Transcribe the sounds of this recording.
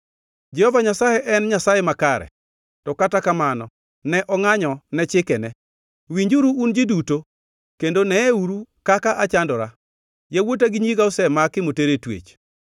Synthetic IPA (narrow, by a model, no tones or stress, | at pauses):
d͡ʒɛhɔvaɲasajeʔɛnɲasajemakaɾɛ̰ | tɔkatakamanɔ | nɛʔɔŋaɲɔnɛt͡ʃɪkɛnɛ | wiɲd͡ʒuɾuːnd͡ʒɪduto | kendonɛːuɾukakaʔat͡ʃandɔɾa | jawot̬aɡɪɲiɡaʊsɛmakɪmoteɾetwḛt͡ʃ